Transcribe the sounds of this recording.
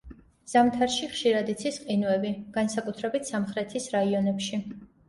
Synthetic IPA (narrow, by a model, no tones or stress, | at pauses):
z̥amt̪ʰaɾʃiχʃiɾad̪it̪sʰisqʼinuɛbiɡ̥ansakʼut̪ʰɾɛbit̪ʰsamχɾɛt̪ʰisɾaiɔnɛpʃi